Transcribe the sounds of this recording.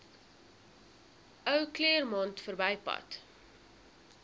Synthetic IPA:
œwkliərmɐntfərbɛjpɐ̰t

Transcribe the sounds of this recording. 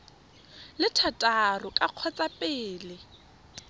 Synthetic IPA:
lɪtʰatʼarʊkʼaq͡χʰɔt͡sʼapʼɪːlɪ

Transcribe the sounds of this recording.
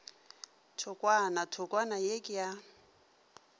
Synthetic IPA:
tʰʊkʼwanatʰʊkʼwanajekʼɪja

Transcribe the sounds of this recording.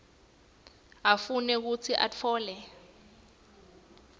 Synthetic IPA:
afunɛk̬ut͡sʰiʔa̰t͡fʰɔːlɛ

